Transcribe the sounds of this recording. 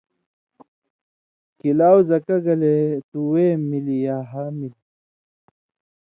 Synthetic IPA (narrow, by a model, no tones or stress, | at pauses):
kilaːwzɐkɐɡɐlet̪uwemilijaːɦamili